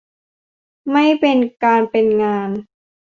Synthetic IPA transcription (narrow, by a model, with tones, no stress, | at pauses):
ma˥˩jpe˧nkaː˧npe˧nŋaː˧n